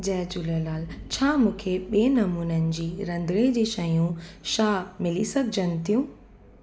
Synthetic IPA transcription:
d͡ʑɛːd͡ʑuləlaːlt͡ɕʰaːmũːkʰeɓieːnɐmuːnənɪ̆d͡ʑiːɾɐ̃nd̪ɾed͡ʑeːʃɐjũʃaːmɪlisɐɡʱɪd͡ʑənɪ̆t̪ʰijũː

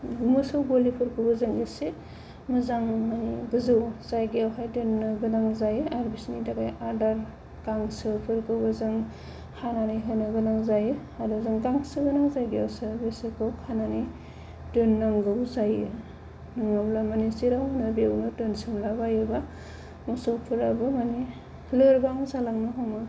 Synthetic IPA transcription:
mɯsɯwbolipʰɯɾkʰɯwbɯzaŋese | mɯzaŋanɡɯzɯwzajɡeawɦajdɯnːɯɡɯnaŋzajaɾbisnidaɡajaɾdaɾ | ɡaŋsɯpʰɯɾkɯwbɯzɯŋ | hʰananajɦɯnɯɡɯnaŋzajɯaduzɯŋɡaŋsɯɡɯnaŋzajɡiawsɯɾbesekʰɔkʰanani | dɯnːaŋɡɯwzajɯ | naŋablamanisiɾawmɯnɯbewnɯtɯnsɯmlabajɯba | musowpʰɯɾabɯmani | lɯɾbaŋzalaŋnɯɦɔmɯ

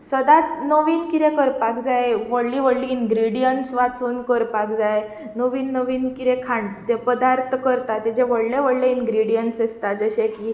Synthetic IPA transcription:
səd̪at͡snoʋiːnkiɾẽkəɾpakd͡zajʋəɽliʋəɽliːnɡɾiɽijəɳʈsʋat͡suːnkəɾpakd͡zaj | noʋiːnːəʋiːnkiɾɛkʰãɳɖt̪epəd̪aɾt̪ʰkəɾt̪at̪ːed͡ʑeʋəɽleʋəɽleinɡɾiɽijəɳʈsəst̪ad͡zəɕekiː

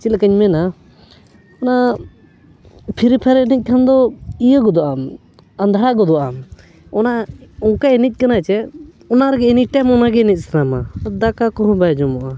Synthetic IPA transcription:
t͡ʃilkəɲmɛna | ɔna | pʰiɾipʰɛɾnic̚ˀkʰand̪ɔijəɡɔd̪ɔʔam | ənd̪ʱaɾaɡɔd̪ɔʔam | ɔnaukaenit̚ʲˀkənat͡ʃɛ | ɔnaɾɡɛɛniʈɛmɔnaɡɛnit̪̚ʲsnamad̪akakɔɦɔ̃bajd͡ʒɔmɔʔa

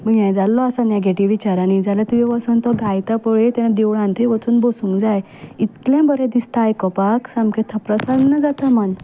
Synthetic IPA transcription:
məɡjãjd͡zalːɔasaneɡeʈiʋːit͡ɕaɾanid͡zalat̪ujiʋasunt̪ɔɡʱajt̪apɔɭet̪anad̪eʋɭãnt̪ʰeʋət͡suːnbosũŋkd͡zaj | it̪lãbəɾẽd̪ist̪ajkɔpaksamket̪ʰapɾəsannːəd͡zat̪aman

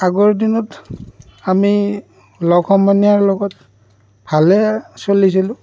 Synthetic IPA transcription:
aɡɔɹdinɔt | ami | lɔɡʰɔmɔnijaɹlɔɡɔt̚ | bʱalɛsolis̬ilʊ̃

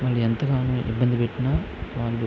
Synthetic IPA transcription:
ʋaːɭːuent̪ɐkaːnuʔḭbːɐnd̪ipeʈːinaː | ʋaːlu

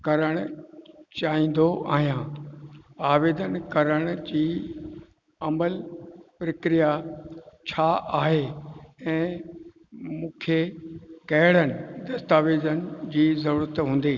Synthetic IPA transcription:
kɐɾəɽ̃ʊt͡ɕaːĩːn̆d̪oʔa̰ːɦijãː | aːʋeːd̪ənkɐɾəɽ̃ʊd͡ʑiː | ɐməlpɾəkɾija | t͡ɕʰaʔaːɦeɛ̃ː | mũːkʰekɐɦɪɽənɪ̆d̪ɐst̪aːʋeːzənɪ̆d͡ʑiːzɐɾuːɾət̪ɦũːn̆d̪iː

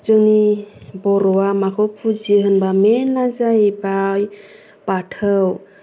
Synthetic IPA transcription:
d͡ʒəŋibɔɾɔwamakʰopʰud͡ʒiɦənbamenazajbaj | paʈʰəw

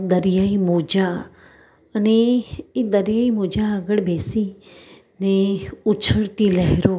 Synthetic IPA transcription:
d̪əɾɪjaimoːd͡ʒa | əneid̪əɾjaːimoːd͡ʒaəɡəɽbʱeːsi | neʊt͡ʃʰəɽt̪ilɐɦɾoː

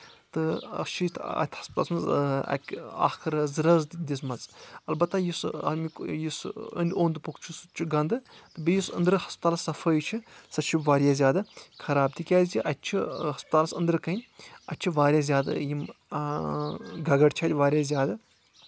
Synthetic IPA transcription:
t̪ɨɐ̰t͡ʃʰit̪ʰɐ̰t̪ʰʲhɐ̥sp̚t̪a̰lsmɐzɐ̰ka̰ːxɨɾzɨɾɐzd̪d̪ʲismɐzɐlbɐt̪ːajisɐmikjisə̰nd̪ʲoːnd̪ɨpukʰt͡ʃʰusut͡ʃʰiɡɐnd̪ɨt̪ɨbijisɐnd̪ɾɨhɐsp̚t̪aːlsɐfʰəjt͡ʃʰisɐt͡ʃʰiʋaːɾjaːzʲjaːd̪ɨkʰɐɾaːb̚t̪ʰikʲaːziʔɐtt͡ʃʰiɦɐspt̪aːlɐsɐ̰nd̪ɾɨkɐnʲɐ̰tʲt͡ʃʰiʋaːɾʲjaːzʲjaːd̪ɨ̰jim | ɡɐɡɐɖt͡ʃʰaːt̪ʲʋaːɾʲjaːzʲjaːd̪ɐ

